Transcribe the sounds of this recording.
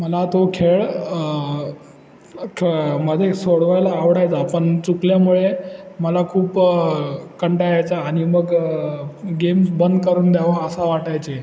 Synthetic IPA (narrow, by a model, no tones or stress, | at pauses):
məlat̪okʰeɭ | kʰməd̪ʱesoɽʋajlaːʋɽajt͡sapəɳt͡sukljamuɭeməlakʰuːp | kəɳʈajajt͡saːɽ̃iməɡ | ɡemsbənd̪kəɾuːnd̪jaʋaəsaʋaʈajt͡se